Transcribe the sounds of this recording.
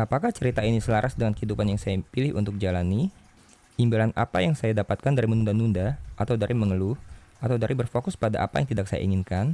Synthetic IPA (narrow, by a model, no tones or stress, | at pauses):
apakaht͡ʃəɾit̪ainisəlaɾʔasdəŋankəɦidupanjaŋsajapilɪhʔṵnt̪ʊk̚d͡ʒalani | imbilana̰pa̰jaŋsajadapat̪̚kandaɾimənundanundaʔat̪awdaɾiməŋəluhat̪awdaɾibərfokʊspadaʔa̰pajaŋt̪idak̚sa̰ja̰ḭŋɪnkan